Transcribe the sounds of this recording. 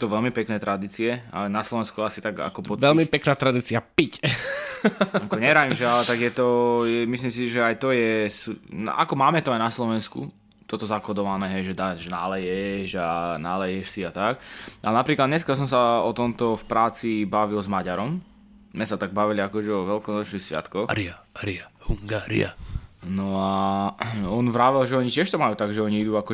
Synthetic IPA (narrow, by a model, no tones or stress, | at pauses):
t̪ɔʋɛlmipɛknɛːt̪ɾad̪iːt͡siɛa̰naslɔʋɛnskuasit̪aɡa̰kɔpɔɛlmipɛknaːt̪ɾad̪iːt͡siapic | akɔɲɛɾaimʒɛalɛt̪aɡjɛt̪ɔjɛmislims̬iʒɛajt̪ɔjɛsun̰a̰kɔmaːmɛt̪ɔajnaslɔʋɛnskṵ | t̪ɔt̪ɔzakɔd̪ɔʋanɛːɦɛjʒɛd̪aʒɛnalɛjɛʒanaːlɛjɛʃsiat̪akʔalɛnapɾiːklad̪ɲɛskas̬ɔmsaɔt̪ɔmt̪ɔfpɾaːt͡sibaʋilzmaɟaɾɔm | mɛsat̪aɡ̚baʋiliakɔʒɛɔʋɛlkɔnɔt͡ʃnixsʋɪa̰t̪kɔxɾiaɾiahuŋɡaːɾḭa̰nɔa | ɔnʋɾaːʋɛlʒɛɔɲicɪɛʃt̪ɔmajuːt̪aɡʒɛɔɲiid̪uakɔ